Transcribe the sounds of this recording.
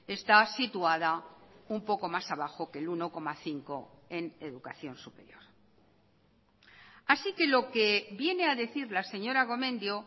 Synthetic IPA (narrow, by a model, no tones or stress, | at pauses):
e̞st̪asit̪uaðaumpo̞ko̞masaβaxo̞ke̞luno̞ko̞maθiŋko̞e̞ne̞ðukaθjo̞nsupe̞̰ɾjo̞ɾ | asike̞lo̞ke̞βje̞ne̞aðe̞θiɾlase̞ɲo̞ɾaɣ̞o̞mẽ̞nd̪jo